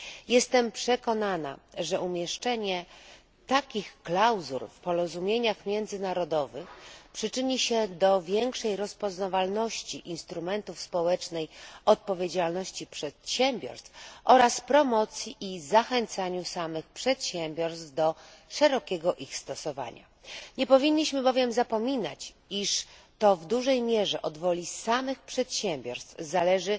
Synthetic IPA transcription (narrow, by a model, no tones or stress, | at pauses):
jɛst̪ɛmpʂɛkɔnana̰ʐɛʔumʲjɛʂt͡ʂɛɲɛ | t̪akʲixklawzṵɾfpɔɾɔzumʲjeɲaxmʲjɛnd̪zɘnaɾɔd̪ɔvɘxpʂɘt͡ʂɘɲiɕɛd̪ɔvʲjɛŋkʂɛjɾɔspɔznavalnɔɕt͡ɕiʔinst̪ɾumɛnt̪ufspɔwɛt͡ʂnɛjɔt̪̚pɔvʲjed͡ʑalnɔɕt͡ɕipʂɛt̪ɕɛmʲbʲjɔ̰ɾst̪fʔɔɾaspɾɔmɔt̪sʲjiʔizaxɛnt̪saɲusamɘxpʂɛt̪ɕɛmʲbʲjɔɾst̪vd̪ɔʂɛɾɔkʲɛɡɔʔixst̪ɔsɔva̰ɲa̰ | ɲɛpɔvʲinːiɕmɘbɔvʲjɛmzapɔmʲina̰t͡ɕ | iʂt̪ɔvd̪uʐɛjmʲjɛʐɛʔɔd̪vɔlʲisamɘxpʂɛt̪ɕɛmʲbʲjɔɾst̪fzalɛʐɘ